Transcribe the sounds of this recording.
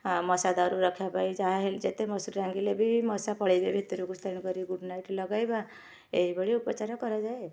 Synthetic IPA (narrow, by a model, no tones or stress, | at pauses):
amɔsad̪aɾuːɔkʰjapajd͡ʒaɦeld͡ʒet̪emɔsuɾɾãŋɡilebʱimɔsapɔɭajbebʱit̪ɾuɡust̪əɾnkɔɾiɡuɖnajʈlɔɡajba | eɦibɔɽiupat͡ʃaɾɔkɔɾad͡ʒae